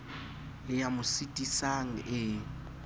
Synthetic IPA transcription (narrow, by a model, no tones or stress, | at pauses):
ɪjamʊsitʼisaŋ̩ʔɪ